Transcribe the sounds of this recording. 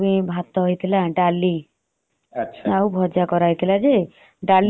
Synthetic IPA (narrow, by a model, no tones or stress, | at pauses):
bibʱat̪ːɔɦojt̪ʰilaɖalːi | ʃʰaubʱɔd͡ʒakɔɾaɦojt̪ʰilad͡ʒe | ɖal